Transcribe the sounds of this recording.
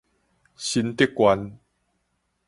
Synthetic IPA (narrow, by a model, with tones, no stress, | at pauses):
ɕi˧nt̪e˥˦kːwa˧n